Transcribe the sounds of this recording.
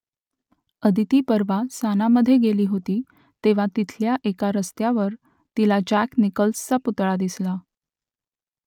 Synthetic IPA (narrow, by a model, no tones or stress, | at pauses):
əd̪ʱit̪iːpəɾʋasanaməd̪ʱːjeɡeliːɦot̪iː | t̪eʋ̤at̪it̪ʰljaʔekaɾəst̪jaʋəɾ | t̪ilad͡ʑæknikəlst͡saput̪ɭad̪isla